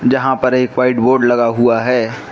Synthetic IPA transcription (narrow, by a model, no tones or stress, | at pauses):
d͡ʒɐɦãpɐɾeːkwaːɪʈboːɖlɐɡaɦuaɦɛː